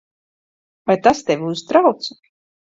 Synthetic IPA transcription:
vajt̪ast̪ɛvʲiuzt̪ɾawt̪s

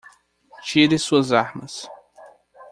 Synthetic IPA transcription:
t͡ʃiɾɪsuɐzaɾmɐs

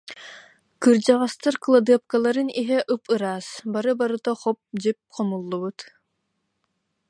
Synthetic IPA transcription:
kɯɾd͡ʑaʁast̪aɾklˠad̪ɯɐp̚kalˠaɾɯniɦɛʔɯpɯɾaːsbaɾɯbaɾɯt̪aχɔp̚d͡ʑip̚qʰɔmulˠːubut̪

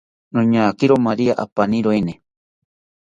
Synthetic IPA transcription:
nõɲaːkiɾomaɾiaʔa̰panĩɾoene

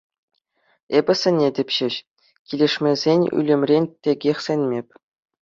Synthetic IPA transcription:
ebʲɘ̆sʲɘ̆nʲːedʲɘ̆pʲɕɘ̆ɕ | kʲilʲeʂmʲezʲenʲy̰lʲĕmʲrʲenʲtʲeɡʲexʲsʲĕnʲmʲepʲ

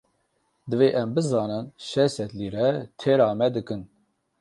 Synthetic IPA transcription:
d̪ɨveːʔɛmbɨzɑːnɨnʃɛsɛt̪liːɾɛt̪ʰeːɾɑːmɛd̪ɨkɨn

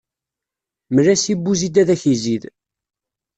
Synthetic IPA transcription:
məlæsibːuzid̪æðæçizið

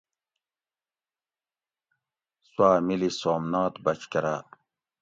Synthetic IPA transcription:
swaːmilisoːmnɑːt̪bakʰkɐɾa̰

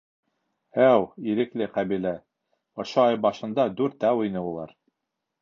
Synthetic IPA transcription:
æwiɾɘ̆klɘqæβilæ | ŏʃoɑjbɑʃɤ̆nd̪ɑd̪ʉɾt̪æwŏjnɤulˠɑ̰ɾ

